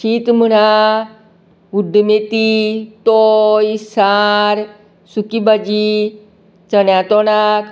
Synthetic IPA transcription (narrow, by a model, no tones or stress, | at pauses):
ɕiːt̪m̤əɽ̃a | uɖmet̪it̪ojsaɾ | sukibad͡ʑi | t͡sənjat̪ɔɽ̃ak